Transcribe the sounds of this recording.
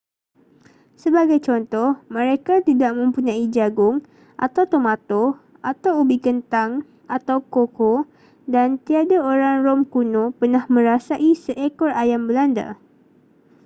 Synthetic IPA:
səbaɡajt͡ʃɔnt̪ɔhmə̃ɾekat̪idaʔmə̃mpuɲãid͡ʒaɡʊŋ | ʔa̰t̪awt̪omãt̪ɔ | at̪awubikənt̪aŋ | at̪awkoko | dant̪iadaoɾaŋrɔmkunõpərnahmə̃ɾasaʔisəʔekɔrajambəlanda̰

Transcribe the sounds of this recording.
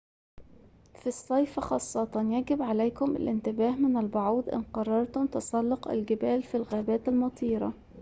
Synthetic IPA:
fisˤːɑjfæxɑːsˤːɑt̪ɑnjæɡɪbʕalæjkʊmɪ̰lʔɪnt̪ɪbæːɦmɪnælbʊʕuːd̪ʔɪ̰nqɑrˤːɑɾˤt̪ʊmt̪ɑsˤɑlːoqɪ̰lɡɪbæːlfilɣæːbæːt̪almɑt̪ˤʰiːɾˤɑ̰

